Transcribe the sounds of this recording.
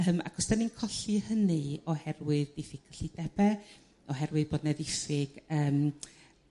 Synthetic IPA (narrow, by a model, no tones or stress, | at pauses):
əma̰ɡʰɔsd̥aninkʰɔɬɨhənɨɔhɛrwɪɨðdɪfɪkʰəɬid̥ɛb̥ɛ | ɔɦɛrwɨðboːdnɛðɪfɪɡ̥əːm